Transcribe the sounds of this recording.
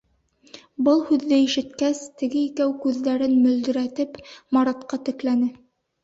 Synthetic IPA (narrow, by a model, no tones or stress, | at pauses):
bɤlˠhʉðːɘiʃɘ̆t̪kæst̪ɘ̆ɡɘikæwkʉðːæɾɘnmɵ̆ld̪ɵ̆ɾæt̪ɘpmɑɾɑt̪qɑt̪ɘ̆klænɘ